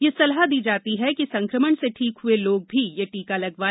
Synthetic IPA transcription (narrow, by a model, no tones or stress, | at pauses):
jesɐlɦad̪iːd͡ʒaːt̪iɦɛkisɐ̃ŋkɾəməɽseʈʰiːkɦʊeloːɡ̚bʱijeʈiːkalɐɡʋaː